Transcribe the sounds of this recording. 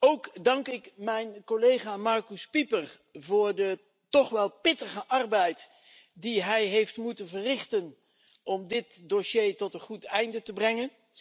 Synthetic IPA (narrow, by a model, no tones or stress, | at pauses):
owkdɑŋkɪkmɛjnkolejχaːmɑɹkyspipəɹ | vʊːɹdə | tɔχʋɛlˠpɪtəχəʔɑɹbɛjt | diɦɛjɦejftmutənvərɪχtən | ʔɔmdɪtdoʃejtɔtənχutɛjndətəbrɛŋən